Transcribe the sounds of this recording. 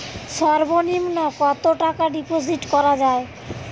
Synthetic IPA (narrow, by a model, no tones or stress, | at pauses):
ʃɔɾbonimnɔkɔt̪oʈakaɖiposiʈkɔɾad͡ʑae